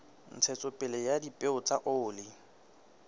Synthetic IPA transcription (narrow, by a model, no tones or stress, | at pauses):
n̩t͡sʰɛt͡sʼʊpʼɪlɛjadipʼeʊt͡sʼaʔʊːlɪ